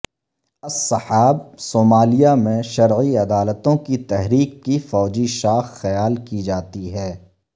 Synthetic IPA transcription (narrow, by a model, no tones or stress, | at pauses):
ɐsɐħaːb̚soːmaːlijamẽʃɐɾʕiɐd̪aːlət̪õkit̪ɛɦɾiːkːifɔːd͡ʒiʃaːxːɐjaːlkid͡ʒaːt̪iɦɛː